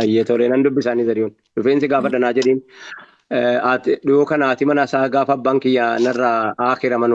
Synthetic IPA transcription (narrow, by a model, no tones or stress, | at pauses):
ɐjːet̪ɔlɛnɐnd̪ʊbːɪsaːniːzɐɾɪɔn | ᶑʊfeːnsɪɡaːfɐᶑɐnaːd͡ʒɛᶑiːn | at̪ᶑʊjoːkɐnaːt̪ɪmɐnɐsaːɡaːfɐbːaːŋkɪjːanɐrːaaːxɪɾɐmɐn